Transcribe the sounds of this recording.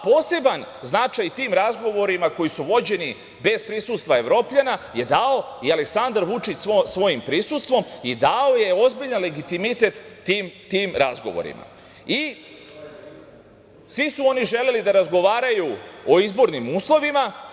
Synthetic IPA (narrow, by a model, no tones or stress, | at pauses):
po̞ːse̞ban | znat͡ʃajt̪iːmɾazɡo̞ʋo̞ɾimako̞jisuʋo̞d͡ʑe̞ni | be̞zpɾisust̪ʋae̞ʋɾo̞ːpʎanaje̞d̪ao̞iale̞ksand̪aɾʋut͡ʃit͡ɕsosʋo̞jimpɾisust̪ʋo̞mid̪ao̞je̞o̞zbiʎanle̞ɡit̪imit̪e̞t̪ːiːmt̪iːmɾazɡo̞̰ʋo̰ɾḭma̰ | i | sʋisuo̞niʒele̞lid̪aɾazɡo̞ʋaːɾajuo̞izbo̞ɾnimuːslˠo̞ʋima